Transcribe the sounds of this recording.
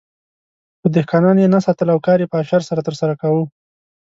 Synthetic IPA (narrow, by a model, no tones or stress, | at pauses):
pəd̪ɪhkɑnɑnjenasɑt̪əlawkɑɾjepəaʃaɾsaɾat̪əɾsaɾakawu